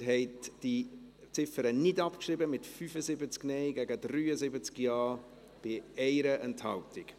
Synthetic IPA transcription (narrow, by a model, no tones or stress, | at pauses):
ɦɛɪtd̥i | t͡sɪfəɾənɪdɑpkʃrɪbəmɪtfyːfəzɪbət͡sknɛɪɡæɡədryːəzɪbət͡skjɑː | b̥ɪɛɪɾəʔɛnthɑltɪk